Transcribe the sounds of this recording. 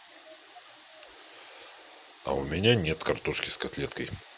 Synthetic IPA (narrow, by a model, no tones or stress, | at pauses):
ɐ̰ʊ̰mʲɪnʲanʲet̪kɐrt̪uʂkʲɪskɐt̪lʲet̪kəj